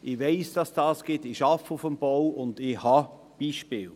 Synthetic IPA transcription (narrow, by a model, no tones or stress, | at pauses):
ɪʋeɪsd̥ɑsd̥ɑːsɡ̥ɪtɪʃɑfəʊfəmb̥owʊndɪhɑ | b̥iːʃpɪːl